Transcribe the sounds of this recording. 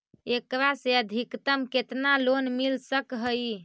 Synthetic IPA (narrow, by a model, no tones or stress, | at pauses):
ekɾaseəd̪ʱikt̪əmket̪nalonmilsəkɦəj